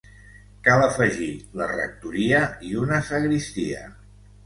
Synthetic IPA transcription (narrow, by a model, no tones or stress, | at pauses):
kaləfəʒilərə̰k̚t̪uɾiəiunəsəɣɾist̪iə̰